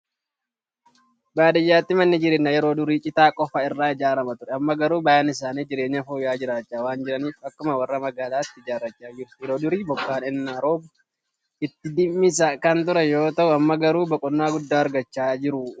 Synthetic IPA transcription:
baːd̪ɐjːaːt̪ːɪmɐnːɪd͡ʒɪɾeːnːɐjɛɾo̞ːd̪ʊɾiːt͡ʃʼɪt̪aːkʼɔfɐɪrːaːɪd͡ʒaːɾɐmɐt̪ʊɾɛɐmːɐɡɐɾuːbɐjanɪs̬aːniːd͡ʒɪɾe̞ːɲːɐfuːjaːd͡ʒɪɾaːt͡ʃːaːwaːnd͡ʒɪɾɐniːfɐkːʊmɐwɐrːɐmɐɡaːlaːt̪ːɪɪd͡ʒaːrːɐt͡ʃːaːd͡ʒɪɾʊjɛɾoːd̪ʊɾiːbɔkːaːnɛnːaːɾoːbʊ | ʔɪt̪ːɪd̪ɪmːɪs̬ɐkɐnt̪ʊɾɛjo̞ːt̪ɐʔʊɐmːɐɡɐɾuːbɐkʼɔnːaːɡʊd̪ːaːɐɾɡɐt͡ʃːaːd͡ʒɪɾʊ

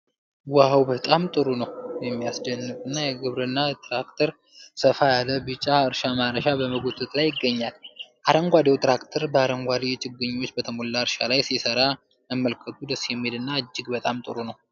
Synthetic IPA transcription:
wahawbət̪ʼamt̪ʼɨɾunəwjɛmːijasd͡ʒənːɨkʼɨnːajɛɡɨβɾɨnːat̪ʰʼɾakt̪ʰəɾ | səfajalːəbɨt͡ʃʼːaɨɾʃamaɾəʃabəməɡot̪ʰʼɨt̪ʼlajɪɡːəɲːalʔaɾəŋɡʷad̪ewt̪ʰʼɾakt̪ʰəɾbəaɾəŋɡʷad̪et͡ʃʼɨɡːɨɲːwo̞t͡ʃːbət̪ʰəmolːaɨɾʃalajsisəɾa | əmːəlkʰət̪ʰud̪əsːjɛmːied̪ɨnːaɨd͡ʒːɪɡbət̪ʼamt̪ʼɨɾunəw

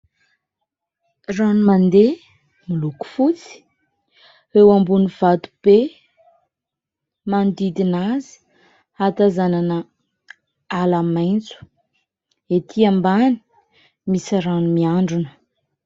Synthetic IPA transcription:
ranumand̪e | miluku̥fut͡si̥ | ewambuniv̥at̪u̥b̥e | mand̪id̪inazi̥ | at̪azananə | alamajnt͡su̥ | et̪ʰiambani̥ | misiɾanumiaɳɖ͡ʐunə̥

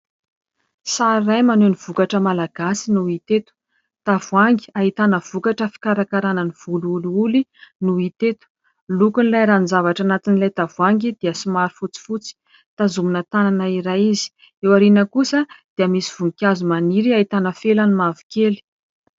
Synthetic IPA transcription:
saɾrajmanuniv̥ukaʈ͡ʂəmalaɡ̥asinuit̪et̪u̥ | t̪avuaŋɡi̥aɦit̪anəv̥ukaʈ͡ʂəfi̥kaɾakaɾanəniv̥uluuluulinuit̪et̪u̥ | lukunlajɾanzavaʈ͡ʂanat̪inilajt̪avuaŋɡid̪iəsimaɾifut͡si̥fut͡si̥ | t̪azuminət̪ananaiɾajizi̥ | ewaɾinəkusəd̪̥iəmisi̥v̥uŋikʲazumaniɾiait̪anəfelanimavi̥keli̥

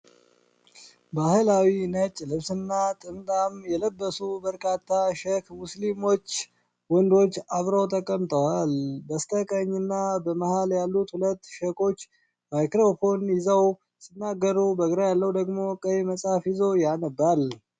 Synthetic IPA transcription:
bahɨlawinət͡ʃʼːlɨβsɨnːat̪ʼɨmt̪ʼamjɛləbːəsubəɾkʼat̪ʰːaʃəkʰmuslimo̞t͡ʃː | wɔnd̪o̞t͡ʃːaβɾowt̪ʼəkʼːəmt̪ʼəwalbəst̪ʰəkʼəɲːɨnːabəməhaljalːut̪hulət̪ːʃəkʰʼo̞t͡ʃː | majkɾopo̞njɪzəw | sɨnːaɡːəɾubəɡɾajalːəwd̪əɡmo̞kʼəjməsʼafjɪzo̞janɨbːal

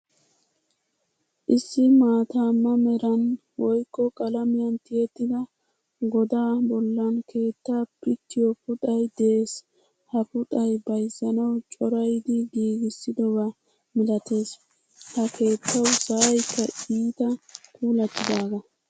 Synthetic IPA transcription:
ʔɪsːɪmaːt̪amːɐmɛɾɐn | wɔjkːɔkʼɐlɐmɪjɐnt̪ɪjɛt̪ːɪd̪ɐ | ɡɔd̪aːbɔlːɐnkʰe̞ːt̪ːaːpɪkːɪjɔpʊt̪ʼɐjd̪ɛʔes | hɐpʊt̪ɐjbɐjzːɐnɐwt͡ʃʼɔɾɐjd̪ɪɡiːɡɪsːɪd̪ɔbɐ | mɪlɐt̪e̞ːs | hɐkʰe̞ːt̪ʰːɐwsɐɐjkːɐiːt̪ɐpʰuːlɐt̪ːɪd̪aːɡɐ

